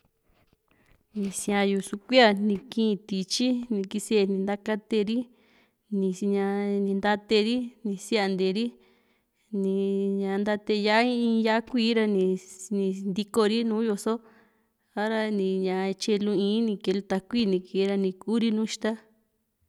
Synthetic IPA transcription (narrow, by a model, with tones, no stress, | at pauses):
nĩ˨sĩ˧ã˧ju˧su˧kʷi˦a˧˨nĩ˧kĩ˦˧t̪i˨t͡ʃi˦nĩ˧ki˧se˧˨nĩ˧nd̪a˦ka˦t̪e˧ɾi˦ | nĩ˧˨˧ɲã˧nĩ˧nd̪a˦t̪e˧ɾi˦nĩ˧˨si˦a˧˨nd̪e˨ɾi˦ | nĩ˧ɲã˧nd̪a˧t̪e˧ja˦i˦ĩː˧˦ja˦kʷiː˦ɾa˧nĩ˧nĩ˧nd̪i˧ko˧ɾi˦nũː˨˦jo˧so˦ | a˦ɾa˧nĩ˧ɲã˧t͡ʃe˧lũ˧ĩː˧˦nĩ˧ke˧lu˧t̪a˧kʷiː˦˨nĩ˧ke˨˦ɾa˧nĩ˧ku˦ɾi˦nũː˦ʃt̪a˦